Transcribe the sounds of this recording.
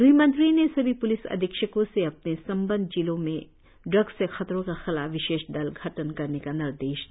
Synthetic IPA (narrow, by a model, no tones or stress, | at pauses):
ɾuɦimə̃nt̪ɾinesɐbʱipʊlɪsɐ̰d̪ʱɪkʃəkõseɐpnesɐ̃mbə̃nd̪̚ʱd͡ʒilõmẽ | ɖɾɐɡsexɐt̪ɾõkaxɪlaːfʋɪʃeːʃɖ̪ɐlɡʱɐʈənkɐɾnekanɪɾd̪eːʃ